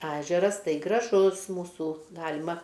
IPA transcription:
ˈæːʒʲɛrɐs ˈtɐɪ ɡrɐˈʒʊs muːˈsuː ˈɡɑːlʲɪmɐ

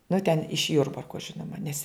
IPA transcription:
nʊ tʲɛn ɪʃ ˈjʊrbɐrkoː ˈʒʲɪnoːmɐ nʲɛs

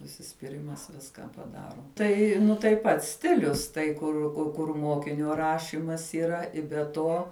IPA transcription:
ʊʃʲsʲɪsʲpʲɪˈrʲɪmɐs ˈʋʲɪskɐ pɐˈdɑːroː ˈtɐɪ nʊ tɐɪ ˈpɐts ˈsʲtʲɪlʲʊs tɐɪ ˈkʊr kʊ kʊr ˈmoːkʲɪnʲoː ˈrɑːʃʲɪmɐs iːˈrɐ ɪ bʲɛ ˈtoː

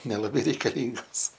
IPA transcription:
nʲɛlˠɐˈbɐɪ rʲɛɪkɐˈlʲiːŋɡoːs

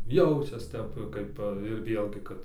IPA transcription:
ˈjɛʊt͡ʃʲɛs ˈtʲɛp ˈkɐɪp ɪr ˈʋʲeːlʲɡʲɪ ˈkɐt

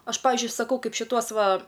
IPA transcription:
ˈɐʃ ˈpɑːʋʲɪzʲd͡ʒʲʊɪ sɐˈkɐʊ ˈkɐɪp ʃʲɪˈtuɔs ˈʋɐ

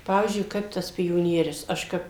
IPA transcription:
ˈpɑːʋʲiːzʲd͡ʒʲʊɪ ˈkɐɪp tɐs pʲoːˈnʲiɛrʲʊs ˈɐʃ kɐp

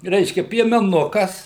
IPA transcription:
ˈrʲɛɪʃʲkʲɛ pʲiɛmʲɛˈnʊkɐs

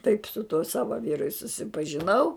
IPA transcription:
tɐɪp sʊ tuɔ ˈsɑːʋɐ ˈʋʲiːrʊ ɪ sʊsʲɪpɐʒʲɪˈnɐʊ

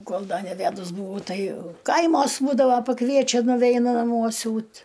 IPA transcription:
ˈkoːlˠ ˈdɐ nʲɛˈʋʲædʊs bʊˈʋɐʊ ˈtɐɪ ˈkɐɪmoːs ˈbuːdɐʋoː pɐˈkʋʲiɛt͡ʃʲɛ nʊˈʋʲɛɪnʊ nɐˈmuɔ ˈsʲuːt

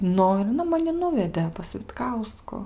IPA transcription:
ˈnʊ ɪ ɐˈnɐ mɐˈnʲɪ ˈnʊʋʲɛdʲeː pɐs ʋʲɪtˈkɐʊskʊ

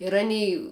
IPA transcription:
ɪr ɐˈnʲiː

